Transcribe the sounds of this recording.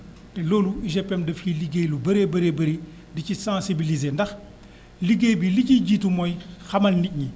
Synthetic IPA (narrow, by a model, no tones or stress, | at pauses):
peloːluiʒɛpɛmdɐfiliɡejlubɐɾebɐɾebɐɾe | dicisãːsibilizeːndɐx | liɡejbiliciɟiːtumojxɐmɐlnic̚ɲi